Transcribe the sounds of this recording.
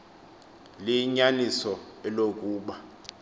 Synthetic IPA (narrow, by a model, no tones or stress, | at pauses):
liɲanisɔɛlokʼuːɓa